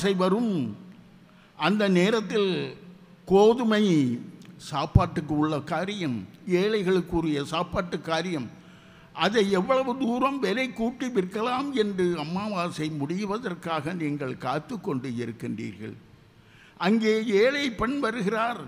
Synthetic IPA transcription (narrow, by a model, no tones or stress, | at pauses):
sɐɪʋɐɾɯm | ʔɐnd̪ɐneːɾɐt̪ːɪl | koːðɯmɐɪ | saːpaːʈːɯkːɯʊɭːɐkaːɾɪjɐmeːlɐɪɣɐɭɯkːuːrɪjɐsaːpaːʈːɯkːaːɾɪjɐm | ʔɐðɐɪɛʋːɐɭɐʋɯd̪uːɾɐmʋɛlɐɪkːuːʈːiʋɪrkːɐlaːmɛndrɯɐmːaːʋaːsɐɪmʊɽɪjʋɐðɐrkaːɣɐniːŋɡɐɭkaːt̪ːɯkːɔɳɖɯɪɾɯkːɪndrḭːɾɣɐ̰ɭ | ʔɐŋɡeːeːlɐjpːɐɳʋɐɾɯɣɪraːɾ